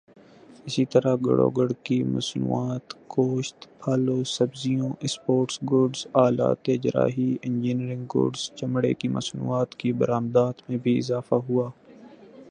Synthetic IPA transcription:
ɪsit̪əɾaɡə̰ɽo̰ːɡəɽkimɐ̰snṵːaːt̪koːʃt̪pʰaːloːsɐbzijõːʔɪspoːʈsɡoːɖzaːla̰ːt̪eːd͡ʒɾa̰ːɦiɪ̃nd͡ʒiːniɾɪ̃ŋɡɡo̰ːɖzt͡ʃɐmɽḛkimɐ̰snṵːaːt̪kibəɾaːmd̪aːt̪mẽbʱiɪ̰zaːfaɦuaː

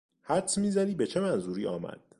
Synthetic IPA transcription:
hæɾt̪sʰmiːzæd̪iːbe̞t͡ʃʰe̞mænzuːɾiːʔɒːmæ̰d̪̥̚

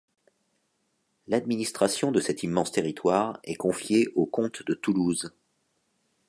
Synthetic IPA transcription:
lad̪minist̪χasjɔ̃d̪əsɛt̪imːɑ̃st̪eʁit̪waːʁɛkɔ̃fjeʔokɔ̃t̪d̪ət̪uluz

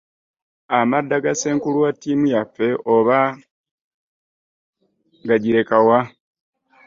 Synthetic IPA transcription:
amadːaɡase̞ːŋkuluwatːiːmujafːe̞ʔoβa | ŋɡaɟiɾe̞kawa

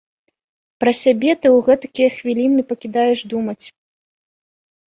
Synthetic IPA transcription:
pɾɐsʲabʲɛt̪ɨwɣɛt̪ɐkʲijɐxvʲilʲinɨpɐkʲid̪ajɛʂd̪umɐt͡sʲ

